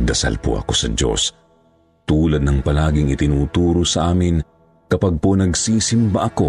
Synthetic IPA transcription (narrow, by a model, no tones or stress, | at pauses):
d̪ɐsa̰lpo̰ʔɐ̰ko̞sɐd͡ʒo̞̰s | t̪uːlɐd̪nɐŋpɐlaːɡɪŋɪt̪ɪnuːt̪uːɾosɐʔaːmɪn | kɐpaɡ̚ponɐɡsiːsɪmbaʔɐko̞